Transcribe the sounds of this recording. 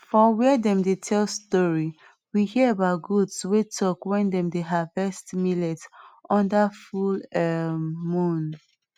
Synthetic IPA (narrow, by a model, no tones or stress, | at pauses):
fɔwɛdɛ̃mdetʰɛlstɔɹi | wihiəabaʊt̚ɡudswetʰɔkwɛ̃ndɛ̃mdeɦavɛstmilɛtɔ̃ndafulɛmũn